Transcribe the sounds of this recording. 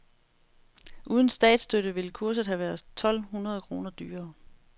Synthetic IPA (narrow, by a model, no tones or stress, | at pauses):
ʔuːð̞ˠən̩sd̥ɛ̰ːd̥sd̥øɾ̥əʋe̝ləkʰuɐsð̩ˠɦæʋæɐð̩ˠt͡sʰɒ̽l̰hunʁɐð̞ˠkʰʁo̝̰ːnɐd̥y̰ːɐː